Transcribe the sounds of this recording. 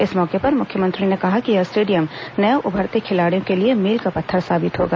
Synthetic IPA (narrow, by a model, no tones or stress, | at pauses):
ɪsmɔːkepɐɾmʊkʰjəmə̃nt̪ɾinekɐɦakijɐsʈeːɖijəmnɐjʔʊbʱəɾt̪ekʰɪlaːɽijõkeliemeːlkapɐt̪ʰːəɾsaːbɪt̪ɦo̰ːɡaː